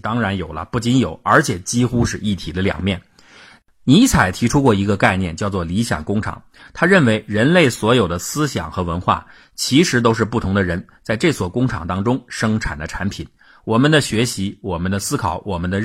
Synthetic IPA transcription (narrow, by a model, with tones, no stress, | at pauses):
t̪ɑ˥ŋɻa˧˥njo˨˩ʊlə̰˦pu˥˩t͡ɕi˧˥njo˨˩˦ʊə̰˞˧˥t͡ɕʰjɛ˨˩t͡ɕi˥xu˥ʂɻ̩˥˧ʔi˥˩t̪ʰi˨˩d̪ə˧ljɑ̰˨˩ŋmjɛ˥˩n | ni˧˥t͡sʰa˨˩ɪt̪ʰi˧˥ʈ͡ʂʰu˥kwɔ˥˩i˧˥ɡə˧ka˥˧ɪnjɛ˥˧nt͡ɕjɑ˥˧ʊt͡swɔ˥˩li˧˥ɕjɑ̰˨˩ŋkʊ˥ŋʈ͡ʂʰɑ̰˨˩˦ŋ | t̪ʰa˥ɻə˥˩nwe˧˥ɪɻə˧˥nle˥˩ɪswɔ˧˥jo˨˩ʊd̪ə˦sɹ̩˥ɕjɑ̰˨˩ŋxɤ˧˥wə˧˥nxwa̰˥˩ | t͡ɕʰi˧˥ʂɻ̩˧˥t̪o˥ʊʂ̬ɻ̩˥˧pu˥˩t̪ʰʊ˧˥ŋd̪ə˧ɻə˧˥n | t͡sa˥˧ɪʈ͡ʂɤ˥˧˩t͡sʰwɔ˥˩kʊ˥ŋʈ͡ʂʰɑ̰˨˩ŋt̪ɑ˥ŋʈ͡ʂʊ˥ŋʂɤ˥ŋʈ͡ʂʰa̰˨˩nd̪ə˦ʈ͡ʂʰa˧˥npʰi˨˩˦n | wɔ˨˩mə˦nd̪ə˧ɕɥɛ˧˥ɕi˧˥wɔ˨˩mə˦nd̪ə˧sɹ̩˥kʰɑ˨˩˦ʊwɔ˨˩mə˦nd̪ə˧